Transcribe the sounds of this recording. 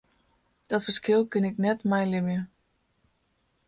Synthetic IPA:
d̥ɔtfə̥skɪlˠkɪnɪknɛtmɛjlɪmjə

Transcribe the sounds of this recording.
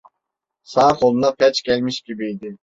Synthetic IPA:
sɑχʰolˠɨnɑpʰɛt͡ʃkʲʰɛlmɪʃkʲibiid̪ɪ

